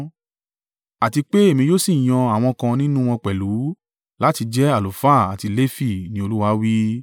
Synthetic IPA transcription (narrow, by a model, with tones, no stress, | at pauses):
a˨ti˧k͡pe˦e˦˨mĩ˧jo˦si˦˨j̃ɔ̃˧a˨w̃ɔ̃˧kã˧nĩ˦nũ˦w̃ɔ̃˧k͡pɛ˨lu˨˦ | la˦ti˧d͡ʒɛ˦a˦˨lo˨fa˦˨a˨ti˧le˦fi˦˨nĩ˦o˧lu˦wa˧˦wi˦